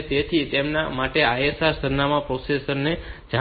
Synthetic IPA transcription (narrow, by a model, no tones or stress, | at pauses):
t̪et̪ʰit̪emna̰maʈeajesaɾsəɾnamãpɾosesəɾned͡ʒa